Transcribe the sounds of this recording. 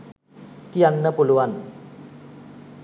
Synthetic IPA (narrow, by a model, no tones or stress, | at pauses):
k̪ijanːəpuluʋan